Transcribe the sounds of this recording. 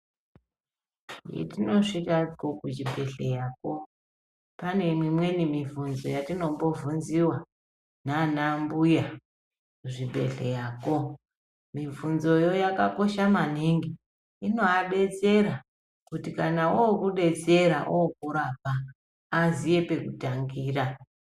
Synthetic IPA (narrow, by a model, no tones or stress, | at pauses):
jḛtino̞ʐitakokut͡ʃibʱe̞ɬe̞jaːko̞ | pane̞mimwe̞nimivunzo̞jatino̞mbo̞vunziwa | nanambuja | kuʐibʱe̞̰ɬe̞̰jaːko | mivunzo̞jo̞jakako̞ʃamaniŋɡi | ino̞aɓe̞t͡se̞ɾa | kutikanaookuɗe̞t͡se̞ɾaʔookuɾap̚aː | zije̞pe̞kutaŋɡiːra